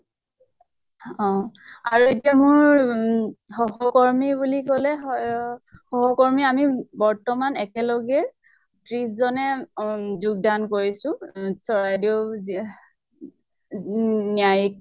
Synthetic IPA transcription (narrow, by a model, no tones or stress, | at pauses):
ɔ̃aɹuetiamʊɹ | xɔɦɔkɔɹmibulikɔlɛɦɔ | xɔɦɔkɔɹmiamibɔɹtɔmanɛkɛlɔɡɛ | tɹiszɔnɛ | zuɡ̚dankoɹisʊ̃sɔɹajdi | nijajik̚